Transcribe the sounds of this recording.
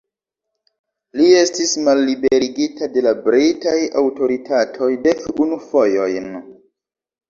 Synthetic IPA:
lie̞stismalːibeɾiɡitade̞labɾitajawto̞ɾitʰatʰo̞jde̞kunufojo̞jn

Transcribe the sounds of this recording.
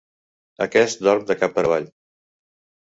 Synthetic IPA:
əkɛst̪d̪ɔɾmd̪əkapːəɾəβ̞aʎ

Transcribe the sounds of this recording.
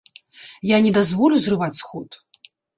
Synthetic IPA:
janʲɛd̪azvɔlʲuzrɨvat͡sʲsxɔt̪

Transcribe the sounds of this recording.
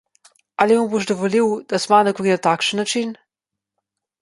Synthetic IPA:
alimuboʃd̪ɔʋɔliwd̪̥asmanakɔɾinat̪aːkʃənːat͡ʃin

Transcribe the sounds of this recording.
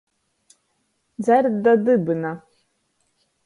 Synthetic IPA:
d͡zardadɨbɨna

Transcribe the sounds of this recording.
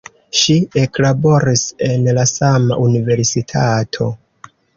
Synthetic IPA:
ʃie̞klabo̞ɾise̞nlasama̰ʔunive̞ɾsitʰatʰo̞

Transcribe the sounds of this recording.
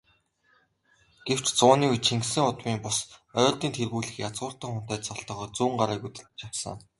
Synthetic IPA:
ɡ̥ew̥t͡ɕt͡sʊːniːut͡ɕʰiŋksɘ̆ŋʊt̪wiːmpʊsœːɮt̪iːnt̪ʰerɣuːɮɘ̆xjat͡sɢʊːr̥t̪ə̆ŋχʊn̥t̪æːt̪sɔɬt̪ɔ̆ːχɔːt͡suːɴɢaɾaːkut̪ɘ̆ɮt͡ɕawsə̰̆ŋ

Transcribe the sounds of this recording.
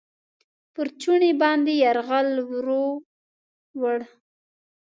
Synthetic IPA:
pəɾt͡ʃuɳebɑnd̪ejaɾɣalwɾo | wəɽ

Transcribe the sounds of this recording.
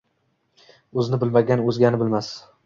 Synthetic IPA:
ɵznɪbɪlmaɡʲanɵzɡʲanɪbɪlmas

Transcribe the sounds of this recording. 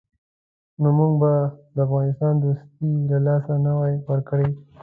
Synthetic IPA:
nomuŋɡbad̪əafɣɑnɪst̪ɑnd̪ost̪ilalɑsanawajwəɾkəɽe

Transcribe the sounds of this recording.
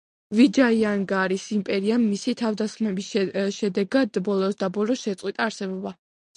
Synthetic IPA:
vid͡ʒaiaŋɡaɾisimpʼɛɾiamːisit̪ʰavd̪asχmɛbisʃɛd̪ɛɡad̪bɔlˠɔsd̪abɔlɔsʃɛt̪sʼwit̪ʼaːɾsɛbɔba

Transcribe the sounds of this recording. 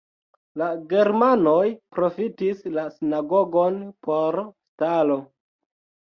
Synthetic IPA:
laɡe̞ɾmano̞jpɾo̞fitislasinaɡo̞ɡo̞npʰo̞ɾstalo̞

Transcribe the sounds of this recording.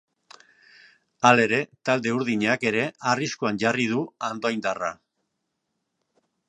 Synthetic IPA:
ale̞ɾe̞t̪ald̪e̞uɾðiɲake̞ɾe̞ariskoanʝarið̞uand̪ojnd̪ara

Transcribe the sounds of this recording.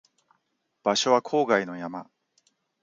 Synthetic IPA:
b̥aɕo̞βakʰo̞ːɡaino̞jama̰

